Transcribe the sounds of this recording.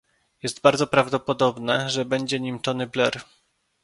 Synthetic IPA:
jɛst̪baɾd̪zɔpɾavd̪ɔpɔd̪ɔbnɛʐɛbɛɲd͡ʑɛɲimt͡ʂɔnɘblɛɾ

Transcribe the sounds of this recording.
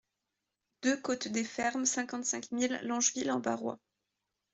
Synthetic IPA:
d̪̥økot̪d̪efɛʁmsɛ̃kɑ̃t̪sɛ̃kmilːɑ̃ʒvilɑ̃ba̰ʁwa̰

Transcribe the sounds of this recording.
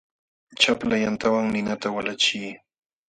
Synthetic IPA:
t͡ʃaplajant̪awaŋnɪnat̪awalat͡ʃiː

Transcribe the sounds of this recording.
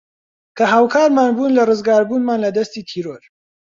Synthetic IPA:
kʰɐɦaːwkʰaːɾmaːnbuːnlɐrɨzɡaːɾbuːnmaːnlɐd̪ɐst̪iːt̪ʰiːɾoɾ

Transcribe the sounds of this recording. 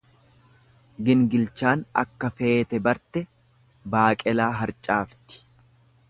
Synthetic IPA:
ɡɪŋɡɪlt͡ʃaːnɐ̰kːɐfe̞ːt̪ɛbɐɾt̪ɛ | baːkʼɛlaːɦɐɾt͡ʃʼaːft̪ɪ̥

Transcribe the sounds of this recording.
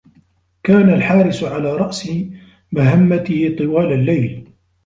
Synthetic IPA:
kaːnalħaːɾɪsʕalaːɾˤɑʔsɪ | maɦamːat̪ɪhɪt̪ˤɨwaːlalːajl

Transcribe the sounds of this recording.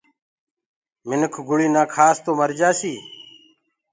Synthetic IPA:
mɪnəkʰɡʊɭiːnãːkʰaːst̪oːməɾd͡ʒaːsiː

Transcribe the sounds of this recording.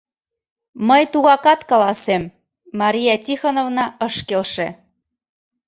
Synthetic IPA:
məjt̪uɣɑkɑt̪kɑlɑsemː | ɑɾʲijɑtʲixonovnɑɤʃkelʃĕ

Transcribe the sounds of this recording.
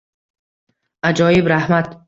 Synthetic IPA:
ʔad͡ʒɒːjibɾahmat̪

